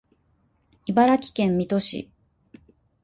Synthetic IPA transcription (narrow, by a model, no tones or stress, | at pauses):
ibaɾakʲi̥kẽ̞mːʲit̪o̞ɕḭ